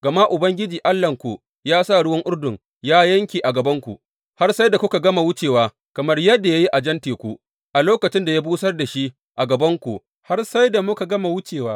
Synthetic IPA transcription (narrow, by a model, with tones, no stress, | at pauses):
ɡ̥ɐ˨ma˦ʔʊ˨bɐ˦ŋɡʲɪ˦d͡ʒiː˨ʔa˦lːɐ˨ŋkʷu˨ | jaː˦sa˦˨ɽʊ˦wɐ˦ŋʔʊ˦rdʊ˨ŋ | jaː˦jɐ˦ŋkʲiː˨ʔa˨ɡɐ˨bɐ˦ŋkʷṵ˨ʔ | ha˦rsa˦jda˨kʷʊ˦ka˨ɡɐ˦ma˨wʊ˦t͡ʃeː˨waː˦ | kɐ˨mɐ˦rjɐ˦dːa˨ja˦ji˦ʔa˨d͡ʒɐ˦nteː˨kʷu˦ʔ | ʔa˨loː˦kɐ˨t͡ʃɪ˦nda˨ja˦buː˦sɐ˦rda˨ʃi˦ | ʔa˨ɡɐ˨bɐ˦ŋkʷu˨ʔ | ha˦rsa˦jda˨mʊ˦ka˨ɡɐ˦ma˨wʊ˦t͡ʃeː˨waː˦